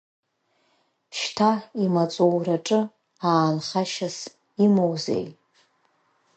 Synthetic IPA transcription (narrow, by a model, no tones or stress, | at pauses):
ʃtʰaimat͡sʼowraʈ͡ʂʼɨ | aːnχaʃas | imowzḛj